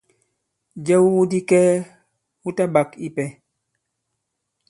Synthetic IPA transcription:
d͡ʒɛ˦wwu˦di˦kɛ˦ | wu˦ta˦ba˨ki˦pɛ˨

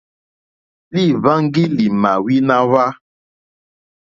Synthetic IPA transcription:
li˦˨βa˦ŋ̩˦ɡi˦li˨ma˨wi˦na˦βa˦

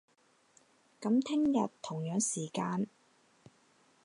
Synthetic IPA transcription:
kɐ˨˧˥mt̪ʰɪ˥ŋjɐ˨tt̪ʰːʊ˨˩ŋjœː˨˥ŋsiː˨˩kaː˧n

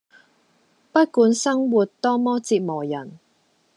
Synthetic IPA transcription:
pɐ˥t̚kuː˨˥nsɐ˥ŋwuː˨t̚t̪ɔː˥mɔː˥t͡siː˧t̚mɔː˨˩jɐ˨˩n

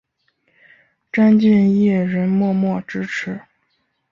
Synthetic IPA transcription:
ʈ͡ʂa˥nt͡ɕi˥˧njɛ˥˩ɻə˧˥nmwɔ˥˧mwɔ˥˩ʈ͡ʂɻ̩˥ʈ͡ʂʰɻ̩˧˥

